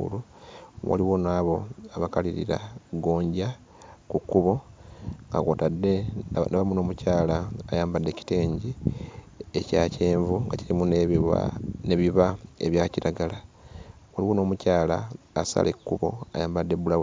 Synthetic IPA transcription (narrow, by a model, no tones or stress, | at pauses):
ṵluwa̰liwonaːβo̞aβakaliɾḭɾa̰ɡo̞ːɲɟa | kukːuβo̞ŋɡa̰ko̰tadːe̞naβamuno̞ːmucaːlaːjaːmbadːe̞ci̥te̞ːɲɟi | ecaːceːɱvuŋɡaciɾimunea̰ne̞βiβae̞βjaːciɾaɡalawaliwo̞no̞ːmucaːlaːsa̰lʔekːuβo̞̰ajaːmbadːe̞bulaw